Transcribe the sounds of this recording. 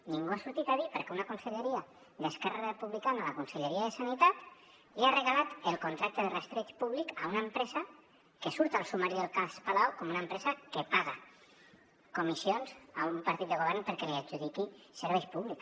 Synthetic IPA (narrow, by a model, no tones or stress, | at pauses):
niŋɡuasuɾt̪it̪aðipəɾkɛunakunseʎeɾia | d̪eskɛrarepuβlikanalakunseʎeɾiaðəsanit̪at̪ | liareɣalat̪əlˠkunt̪ɾak̚t̪əðərest̪ɾet͡ʃpuβlikaunempɾɛza | kesuɾt̪alˠsumaɾiðelˠkaspalawkɔmunəmpɾɛzakepaɣ̞a | kumisionzaumpaɾt̪it̪̚d̪əɣoβɛɾnpəɾkeliaɡd͡ʒuðikiseɾβɛjpuβlik